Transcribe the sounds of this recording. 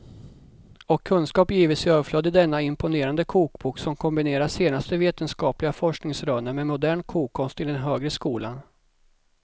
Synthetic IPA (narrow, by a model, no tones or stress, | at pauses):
ɔkʰːɵnskɑːpjiːvɪt̪sɪøːvəflœd̪ːəd̪ɛnːaɪmpʊneːɾand̪əkʰuːkbuːksɔmkʰɔmbɪneːɾaseːnast̪əveːt̪ənskɑːplɪɡafɔʂknɪŋsɾœːnəɾmɛmʊd̪æːɳkʰuːkʰːɔnst̪ɪd̪ɛnɦøːɡɾəskuːlan